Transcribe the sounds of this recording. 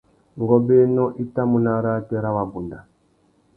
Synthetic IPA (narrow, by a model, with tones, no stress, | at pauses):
ŋɡɔ˦bɛ˦nɔ˦ʔi˦ta˦mu˨na˦ɾa˦tɛ˦ɾa˦wa˨bu˨nda˨